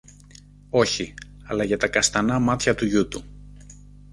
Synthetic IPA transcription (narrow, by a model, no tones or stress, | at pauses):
o̞çi | ɐlɐʝɐt̪ɐkɐst̪ɐnɐmɐt̪çɐt̪uʝut̪u